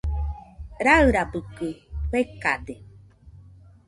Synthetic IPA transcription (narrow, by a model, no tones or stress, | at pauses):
ɾaɯɾabɯkɯɸekad̪e